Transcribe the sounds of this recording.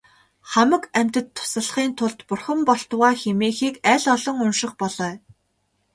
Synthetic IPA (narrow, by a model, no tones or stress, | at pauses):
χæmə̆kæm̥ʲt̪ɘ̆t̪ʰːʊ̥sə̆ɮχiːnt̪ʰʊɮt̪pʊrχə̆mpɔɬt̪wʁaːxemeːxiːkæːɮɔɮɞ̆ŋʊnʃɪ̆χpɔɮœː